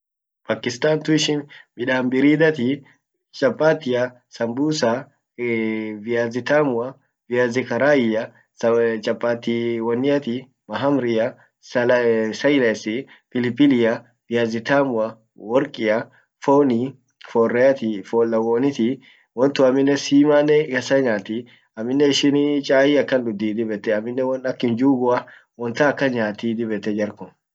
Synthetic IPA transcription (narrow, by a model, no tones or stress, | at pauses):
paːkːɪst̪aːnt̪ʊɪʃɪnmɪᶑaːmbɪɾiːd̪ɐt̪i | t͡ʃʼɐpʼːaːt̪ɪjɐ | sɐmbuːsa | vɪjaːzɪt̪aːmʊɐ | vɪjazɪkɐɾaːjɪjɐ | t͡ʃʼɐpʼːaːt̪ːiwɔnːɪjɐt̪i | mɐɦɐmɾɪjɐ | ssɐjlɐsɪ | pɪlɪpːɪlɪjɐ | b̥ɪjazɪt̪aːmʊɐ | wɔɾkʼɪjɐ | foːni | fɔːrːɛjɐt̪ifoːlːɐwoːnɪt̪i | wɔnt̪ʊɐmːɪnːɛsiːmaːnːɛkɐsɐɲaːt̪i | ɐmːɪnːɛɪʃɪnt͡ʃʼaːjɪɐkːɐnd̪ʊd̪ːiːd̪ɪbɛt̪ːɛɐmːɪnːɛwɐnɐkːɪnd͡ʒuːɡʊɐ | wɔnt̪ɐːkːɐɲaːt̪iːd̪ɪbɛt̪ːɛd͡ʒɐɾkʊm